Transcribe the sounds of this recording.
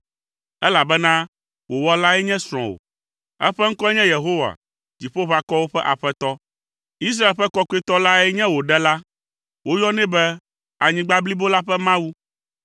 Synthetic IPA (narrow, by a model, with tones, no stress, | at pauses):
ɛ˦la˨bɛ˦nã˦ | wo˨wɔ˦la˦ɛ˦ɲɛ̃˦sɾ̃ɔ̰̃˨wo̰˨ | ɛ̰˦ɸɛ˦ŋ̩˦kɔ˦ɛ˦ɲɛ̃˦je˨ɦo˦wa̰˨ | d͡ʑi˨ɸo˦βa˦˨kɔ˦wo˦ɸɛ˦ʔa˨ɸɛ˦t̪ɔ˦ | i˦s̬ɾa˦e˨lɸɛ˦kɔ˦ku˦e˦t̪ɔ˦la˦ɛ˦ɲɛ̃˦wo˨ɖɛ˦la˦ | wo˦jɔ˦nɛ̃˦bɛ˦ | a˨ɲĩ˦ɡ͡ba˦bli˦bo˦la˦ɸɛ˦mã˦wu˦